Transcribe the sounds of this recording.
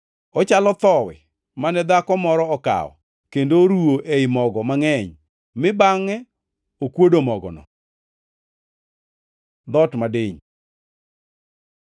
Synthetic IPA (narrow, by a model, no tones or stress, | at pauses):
ɔt͡ʃalɔt̪ɔwɛ̰ | manɛd̪akɔmɔɾɔɔka̰ɔ̰ | kendoɾuoʔeɪmɔɡɔmaŋɛɲ | mɪbaŋːɛ | okwodomɔɡɔ̰nɔ̰ | d̪ɔtmadeɲ